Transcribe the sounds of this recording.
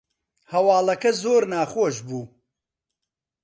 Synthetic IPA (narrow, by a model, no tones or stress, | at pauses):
hɐwɑːlɐkɐzoːɾnaːχoːʃbuː